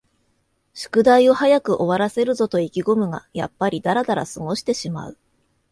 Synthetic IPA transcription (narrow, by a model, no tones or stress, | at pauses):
ɕi̥kɯ̟d̪aio̞hajakɯ̟ʔo̞βaɾase̞ɾɯ̟zo̞t̪o̞ikʲiɡo̞mɯ̟ɡa̰ja̰pːaɾʲid̪aɾad̪aɾa̰sɨɡo̞ɕi̥t̪e̞ɕima̰ɯ̟